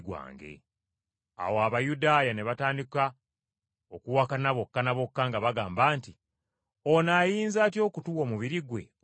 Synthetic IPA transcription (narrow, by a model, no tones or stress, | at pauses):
ɡwa̰ːŋɡe̞̰ | a̰woaβajudaːjane̞βataːndika | okuwakanaβo̞kːanaβo̞kːaŋɡaβaɡaːmbaːnti | o̞naːjiːnzaːtjo̞kutuwo̞ːmuβiɾiɡwe̞̰